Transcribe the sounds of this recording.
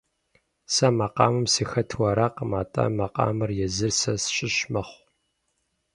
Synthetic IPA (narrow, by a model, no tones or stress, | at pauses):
sɐmɐqʼɑ̰ːmɨmsiːxɐtʰwɐɾaqmaːtʼɐ̰mɐqɑ̰ːmɨrjɛzɨrsɐsɕʼɪɕmɐχʷ